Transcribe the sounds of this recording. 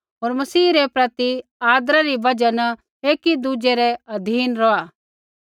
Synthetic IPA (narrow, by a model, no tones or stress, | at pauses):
ɦoːɾmɐsiːɾɛpɾɐt̪iaːd̪ɾaɾibɐd͡ʒanɐ | eːkid̪ud͡ʒeɾɛɐd̪ʱiːnɾɔaː